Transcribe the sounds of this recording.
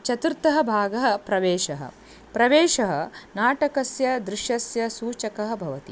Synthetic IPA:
t͡ʃɐt̪uɾt̪ɐɦɐ̆bʱaːɡɐɦɐ̆pɾɐʋeːʃɐɦɐ̰ | pɾɐʋeːʃɐɦɐ̰naːʈɐkɐsjɐd̪ɾɪʃjɐsjɐsuːt͡ʃɐkɐɦɐbʱɐʋɐt̪i

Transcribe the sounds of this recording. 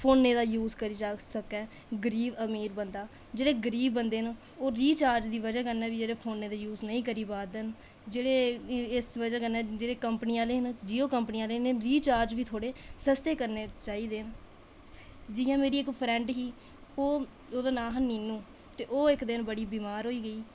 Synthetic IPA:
pʰoːnːeːd̪aːjuːzkəɾiːd͡ʒasəkɛː | ɡəɾiːʋəmiːɾbənd̪aː | d͡ʒeːɽeːɡəɾiːʋbənd̪eːn | oːɾiːt͡ʃaːɾd͡ʒd̪iːʋəd͡ʒaːkənɛːʋiːd͡ʒeːɽeːpʰoːnːeːd̪aːjuːznəĩːkəɾiːbaːd̪n | d͡ʒeːɽeːɪsʋəd͡ʒaːkənɛːd͡ʒeːɽeːkəmpniːaːleːɦnd͡ʒiːoːkəmpniːaːleːnɾiːt͡ʃaːɾd͡ʒʋiːt̪ʰoːɽeːsəst̪eːkəɾneːt͡ʃaːiːd̪eːn | d͡ʒɪjãːmeːɾiːɪkpʰɾɛ̃ːɳɖɦiː | oː | oːd̪aːnaːɦniːnũː | t̪eːʔoːɪkd̪ɪnbəɽiːbiːmaːɾɦoːiːɡəiː

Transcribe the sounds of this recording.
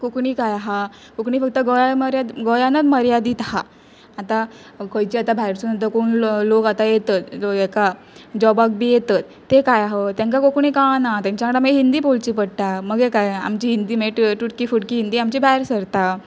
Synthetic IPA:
kukɳiːkajaɦa | kukɳiːfək̚t̪əɡojaməɾjad̪ɡɔjanad̪məɾjad̪iːt̪ɦa | at̪a | kəjt͡ɕiat̪abʱaɾsunət̪̬əkonlokat̪ajet̪ət̪oɡeka | d͡ʑɔbak̚biːjet̪at̪ːekajaɦet̪jãŋkakokɳ̃iːkãnat̪ãɲt͡ɕakəɽaməɡeɦind̪iːpolt͡ɕipəɽʈ̪aməɡekaja̰mt͡ɕiːɦind̪iːmeʈʈuʈkiːfuʈkiːɦind̪iːamt͡ɕibʱaɾsəɾt̪a

